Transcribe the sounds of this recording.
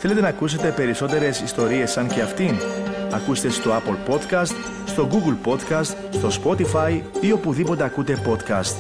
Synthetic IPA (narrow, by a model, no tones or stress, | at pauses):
θe̞le̞t̪e̞nɐːkus̬e̞t̪e̞pe̞ɾiso̞t̪e̞ɾe̞sist̪o̞ɾie̞sːɐnce̞ɐft̪inɐkust̪e̞st̪o̞ɐpolpo̞t̪kɐst̪ | st̪o̞ɡuɡulpo̞t̪kɐst̪ | st̪o̞spo̞t̪ifɐjio̞puðipo̞t̪e̞ɐkut̪e̞po̞t̪kɐ̰st̪